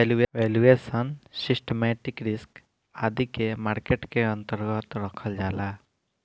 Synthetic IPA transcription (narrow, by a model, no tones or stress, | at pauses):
elueʋelueːsənsisʈemeːʈikɾɪsk | ad̪ikemaːɾkeʈkeə̃nt̪əɾɡət̪ɾəkʰəld͡ʒaːlaː